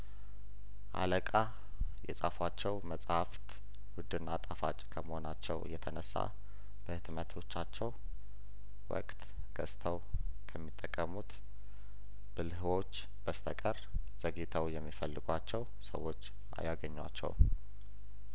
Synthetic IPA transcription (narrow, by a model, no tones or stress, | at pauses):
ʔa̰ləkʼa | jɛsʼafwat͡ʃːɛwməsʼhaft̪ | wʊd̪ɨnːat̪ʼafat͡ʃʼkʰəməho̞nat͡ʃːɛwɨ̰jːɛt̪ʰənəsːa̰ | b̥əhɨt̪mət̪ʰo̞t͡ʃːat͡ʃːɛw | wɔ̰kʼt̪ | ɡ̥əst̪ʰəw | kʰəmːit̪ʼːəkʼːəmut̪ | bɨlɦɨwo̞t͡ʃː | b̥əst̪ʰəkʼəɾ | z̥əɡit̪ʰəwjɛmːifəlːɨɡʷat͡ʃːɛw | sə̰wːo̞t͡ʃː | ʔa̰jaɡəɲːwa̰t͡ʃːɛ̰w